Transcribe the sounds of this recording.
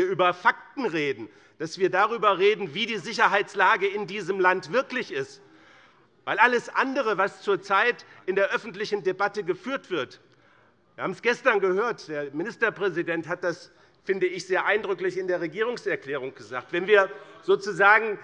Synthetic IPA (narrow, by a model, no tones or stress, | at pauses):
iːɐʔyːbɐfak̚tn̩ʁeːdn̩ | d̥asv̥iːɐdaʁyːbɐʁeːdn̩viːdiːzɪçɐɦaɪt͡slaːɡəɪndiːzəmlantv̥ɪɐklɪçɪst | vaɪlʔaləsʔandəʁ̞əvast͡suːɐt͡saɪtʔɪndeːɐʔœfn̩tlɪçn̩debatəɡəfyːɐtv̥ɪɐt | viːɐhaːbm̩sɡ̥ɛstɐnɡəhøːɐtd̥eːɐmɪnɪstɐpʁ̥ɛzidɛnthat̚d̥as | fɪndəɪçz̥eːɐʔaɪndʁʏklɪçɪndeːɐʁeɡiːʁ̞ʊŋsɛɐkl̥ɛːʁ̞ʊŋɡ̥əzaːk̚tv̥ɛnviːɐz̥oːt͡suzaːɡŋ̩